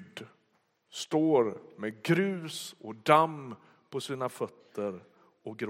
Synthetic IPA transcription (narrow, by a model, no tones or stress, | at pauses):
d̪ | st̪oːɾmeɡɾʉ̟ːsɔd̪am | pʰɔsiːnafœt̪ʰːəɾ | ɔk̚ɡɾ